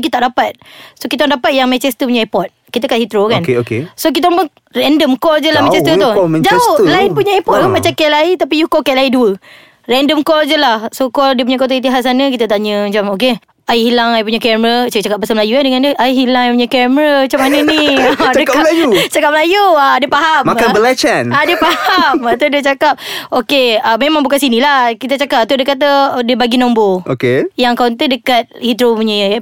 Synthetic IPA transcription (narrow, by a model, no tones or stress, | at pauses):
kit̪aʔdapat̪̚sokit̪aaŋdapat̪̚jaŋmɛ̃nt͡ʃɛst̪əp̬uɲə̃ɛpɔt̪̚kit̪əkaʔhit̪ɾokankeokesok̬it̪ambə | rɛndəmkɔld͡ʒəlahmɛ̃nt͡ʃɛst̪ət̪uɛd͡ʒaohlaipuɲaɛpɔt̪̚umat͡ʃakɛlait̪apijukokɛʔlaiduə | rɛndəmkɔld͡ʒəlahsokɔldiəp̬uɲak̬ot̪ait̪̬iɦat̚sanək̬it̪ət̪aɲəmət͡ʃamok̬e | ajihilaŋaip̬uɲəkɛməɾət͡ʃt͡ʃakapːasalməlajuadəŋãndiəʔajɦilaŋajpuɲakɛmɾəmt͡ʃamːanəniaəklajut͡ʃakap̚məlajuadiəpaɦammakanbəlɛt͡ʃanadiəpahamat̪odiət͡ʃakap̚okeəmemãŋbukansinilahkit̪ət͡ʃakap̚t̪udəkat̪̬ədiəbaɡinomboʔokejaŋkɔnt̪ədəkat̪̚hit̪ɾopuɲəj